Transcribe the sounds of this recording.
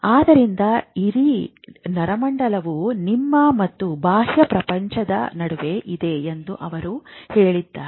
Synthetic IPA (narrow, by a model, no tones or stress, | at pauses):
aːd̪ɐɾind̪ɐiɾi | nɐɾɐmɐɳɖɐlɐʋunimːɐmɐt̪ːubaːɦjɐpɾɐpɐɲt͡ʃɐd̪ɐ̰nɐɽuʋe̞ʔid̪e̞end̪uʔɐʋɐɾuhe̞ːɭid̪ːaː